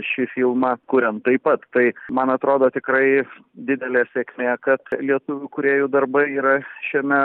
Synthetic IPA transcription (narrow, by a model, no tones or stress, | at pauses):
ʃʲɪfʲiːlˠmɑkʊɾʲɛnt̪ɐɪpɐt̪t̪ɐɪmɐnɐt̪ɾoːd̪oːt̪ʲɪkɾɐɪd̪ʲɪd̪ʲɛlʲeːsʲeːkmʲeːkɐt̪lʲiɛt̪ʊʋʲʊkʊɾʲeːjuːd̪ɐrbɐɪiːɾɐʃʲiɛmʲɛ